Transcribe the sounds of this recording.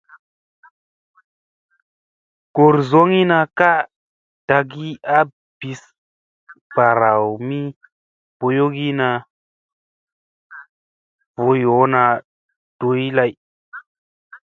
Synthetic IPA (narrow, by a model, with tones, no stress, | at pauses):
ko˨ɾzo˦ŋi˦na˧ka˦ʔ | d̥a˧ɡi˦a˦ | b̥i˧s | b̥a˨ɾa˨wmi˦ | po˧jo˦ɡi˦na˧ | vo˧jo˨˦na˧ | d̥o˧˦i˦la˧j